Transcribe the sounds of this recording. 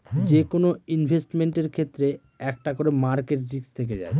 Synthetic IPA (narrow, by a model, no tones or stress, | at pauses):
d͡ʑekonoinbʱesʈmeɳʈeɾkʰet̪ːɾe | ɛk̚ʈakoɾemaɾkeʈɾikst̪ʰek̬ed͡ʑa̰e